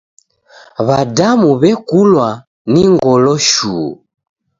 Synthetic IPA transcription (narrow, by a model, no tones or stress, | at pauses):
βadamuβɛkulwa | niŋɡɔlɔʃuː